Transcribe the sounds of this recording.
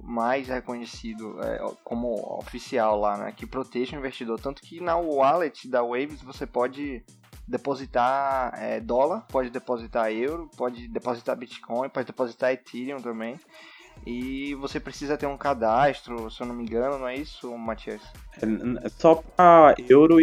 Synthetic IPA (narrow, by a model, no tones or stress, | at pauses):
majshekõɲesid̪ʊɛ̰kõmʊo̰fisiawlanɛ̰kɪpɾot̪eʒ̃ĩveʃt͡ʃid̪oɾt̪ɐ̃nt̪ʊ̥kɪnɐalet͡ʃɪd̪ɐwejvisvosepɔd͡ʒɪ | d̪epozit̪aɛ̰d̪ɔlɐɾpɔd͡ʒɪd̪epozit̪aɾewɾʊpɔd͡ʒɪd̪epozit̪a̰bit͡ʃi̥kʰõj̃pɔd͡ʒɪd̪epozit̪aɾet̪ʰiɾiõt̪ɐ̃mbẽj̃ | ivosepɾesizɐt̪eɾũkad̪aʃt̪ɾʊsewnõmẽɡɐ̃nʊnɐ̃ɛisʊmat͡ʃiɐs | ɛɛsɔpɾɐewɾʊ